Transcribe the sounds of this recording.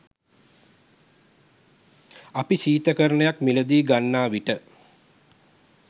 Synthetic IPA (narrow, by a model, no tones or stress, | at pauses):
apiɕiːt̪əkəɾənəjakmiləd̪iːɡanːaːʋiʈə